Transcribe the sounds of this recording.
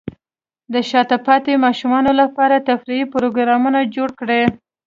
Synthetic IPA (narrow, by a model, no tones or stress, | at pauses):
d̪əʃɑt̪apɑt̪emɑʃumɑnolapɑɾat̪afɾiipʊɾoɡɾɑmunad͡ʒoɽkɽe